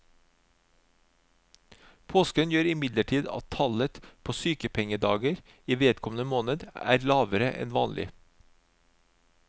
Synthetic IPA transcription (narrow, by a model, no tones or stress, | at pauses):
pʰoːskənjøːɾɪmɪd̪ləʈʰiːd̪ɑ̰t̪ʰɑlət̪pʰoːsyːkəpʰɛŋəd̪ɑːɡəɾ | iːʋeːt̪kʰɔmn̩əmoːnəd̪æ̰ːɾlɑːʋəɾə̰ʔɛ̰nʋɑ̰ːnlʔɪ̰